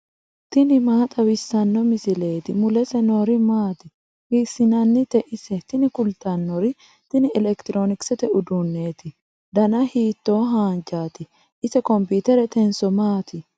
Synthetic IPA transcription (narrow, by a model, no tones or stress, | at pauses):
t̪ɪnɪmaːt̪ʼɐwɪsːɐnːɔmɪsɪle̞ːt̪ɪmʊlɛsɛnoːɾɪmaːt̪ɪ | hɪsːɪnɐnːɪt̪ɛʔɪsɛt̪ɪnɪkʊlt̪ɐnːɔɾɪ | t̪ɪnɪɛlɛkt̪ɪɾoːnɪksɛt̪ɛʔʊd̪unːe̞ːt̪ɪ | d̪ɐnɐhiːt̪ːoːɦaːnd͡ʒaːt̪ɪ | ʔɪsɛkɔmpiːt̪ɛɾɛt̪ɛnsɔmaːt̪ɪ